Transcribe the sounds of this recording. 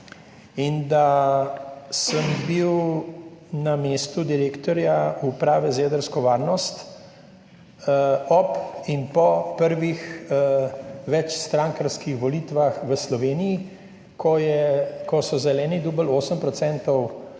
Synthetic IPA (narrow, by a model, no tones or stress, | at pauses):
ind̪a | səmbiw | nameːst̪ud̪iɾeːkt̪ɔɾjaupɾaːʋɛzeːd̪əɾskɔʋaːɾnɔst̪ | ɔpinpɔpəɾʋix | ʋɛt͡ʃst̪ɾãŋkəɾskixʋɔliːt̪ʋaxʋəslɔʋeːnii | kɔjɛkɔsɔzɛlɛːnid̪uːbəloːsəmpɾɔt̪sɛnt̪ɔw